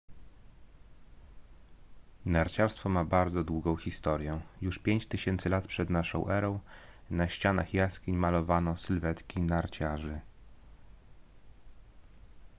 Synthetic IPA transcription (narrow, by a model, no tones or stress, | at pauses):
naɾt͡ɕaɾst̪fɔmabaɾd̪zɔd̪wuɡɔ̃w̃xʲist̪ɔɾʲjɛjuʂpʲjeɲt͡ɕt̪ɘɕɛnt̪sɘlat̪pʂɛd̪naʂɔ̰̃w̃ʔɛɾɔ̃w̃naɕt͡ɕana̰xjaskʲiɲmalɔvanɔ̃w̃sɘlvɛt̪kʲinaɾt͡ɕaʐɘ